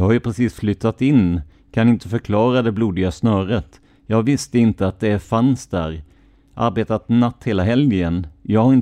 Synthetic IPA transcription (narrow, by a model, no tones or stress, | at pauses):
jɑhaɾjɵpʰɾɛsiːsflʏt̪ːat̪ɪnː | kʰanɪnt̪əfœɾkʰlɑːɾad̪ɛbluːd̪ɪɡasnœːɾət̪ | jɑːɡvɪst̪əɪnt̪əat̪̚d̪ɛæɾfansd̪æ̰ːɾ | ʔa̰ɾbeːt̪at̪nat̪ːheːlaɦɛljənjɑːɡhaɾɪn